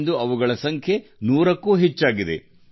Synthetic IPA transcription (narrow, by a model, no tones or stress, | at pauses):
nd̪uɐʋuɡɐɭɐsɐŋkʰje̞nuːɾɐkːuːɦɛt͡ʃːaːɡid̪ḛ